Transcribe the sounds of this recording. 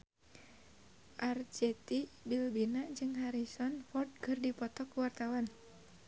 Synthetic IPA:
ʔart͡ʃɛt̪ibilbinad͡ʒɨŋɦaɾisɔnfɔrd̪̚kɨrdipɔt̪ɔkuwart̪awan

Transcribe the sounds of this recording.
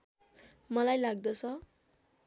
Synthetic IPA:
mʌlajlaɡ̚d̪ʌt͡sʰʌ

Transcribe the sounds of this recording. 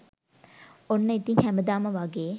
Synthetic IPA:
onːəit̪iŋhæməd̪aːməʋaɡeː

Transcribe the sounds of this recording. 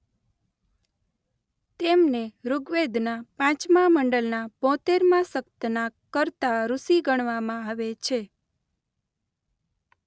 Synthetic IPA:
t̪emneɾuɡʋed̪ʱnapãt͡ʃmãməɳɖəlnab̥ɔ̃t̪eɾmãsəkt̪nakəɾt̪aɾusiɡəɳ̃ʋamãaʋet͡ʃʰe

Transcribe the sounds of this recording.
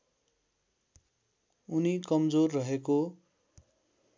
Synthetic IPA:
unikʌmd͡zorːʌɦeko

